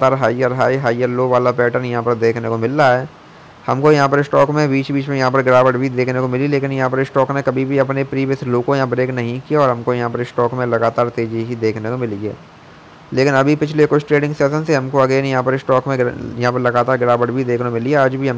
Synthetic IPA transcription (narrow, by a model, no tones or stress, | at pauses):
t̪aːɾɦaːɪjəɾɦaːiɦaːɪjəɾloːʋaːlapɛːʈəɾnjɐɦãpɐɾd̪eːkʰnekomɪlːaɦɛː | hɐmkojɐɦãp̬ɐɾɪsʈɔːkmẽbiːt͡ʃbiːt͡ʃmẽjɐɦãp̬ɐɾɡɾaːʋəɖbʱid̪eːkʰnekomɪlileːkɪnjɐɦãp̬ɐɾɪsʈɔːknekɐbʱibʱiɐpnepɾiːʋjəsloːkõjãbɾeːknɐɦĩkijaɔːɾɦɐ̃mkojɐɦãpəɾɪsʈɔːkmẽlɐɡaːt̪aːɾt̪eːd͡ʒiɦid̪eːkʰnekomɪliɦɛ̰ː | leːkɪnɐbʱipɪt͡ʃʰlekʊt͡ʃʰʈɾeːɖɪ̃ŋɡsɛːsənseɦɐmkoɐɡeːnjɐɦãpɐɾɪsʈɔːkmẽjɐɦãpɐɾlɐɡaːt̪aːɾɡɾaːʋəɖbʱid̪eːkʰnemɪlieaːd͡ʒbʱiɦɐm